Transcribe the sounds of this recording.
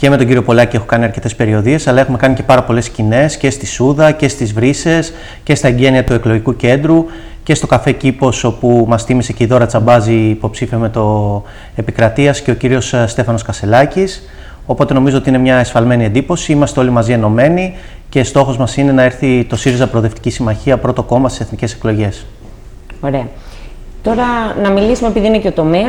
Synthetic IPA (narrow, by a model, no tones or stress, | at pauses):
ce̞me̞t̪o̞ɟiɾio̞po̞lɐcie̞xokɐniɐɾce̞t̪e̞spe̞ɾio̞ðie̞sɐlɐe̞xume̞kɐnice̞pɐɾɐpo̞le̞scine̞sce̞st̪isuðɐce̞st̪izvɾise̞s | ce̞st̪ɐeɲɟe̞niɐt̪ue̞klo̞ʝikuce̞nd̪ɾu | ce̞st̪o̞kɐfe̞cipo̞so̞pumɐst̪imise̞ceiðo̞ɾɐt͡sɐbɐziːpo̞psifiɐme̞t̪o̞ | e̞pikɾɐt̪iɐsce̞o̞ciɾio̞sst̪e̞fɐno̞skɐst̪e̞lɐcis | o̞po̞t̪e̞no̞mizoot̪iine̞mɲɐesfɐlme̞niend̪ipo̞siimɐst̪eo̞limɐzie̞no̞me̞ni | ce̞st̪o̞xo̞zmɐsine̞nɐe̞ɾθit̪o̞siɾizɐpɾoðe̞ft̪i̥cisimɐçiɐpɾo̞t̪o̞ko̞mɐst̪ise̞θnice̞se̞̥klo̞ʝe̞s | oɾe̞ɐ | t̪o̞ɾɐnɐmilisumepiðiineceot̪o̞meɐ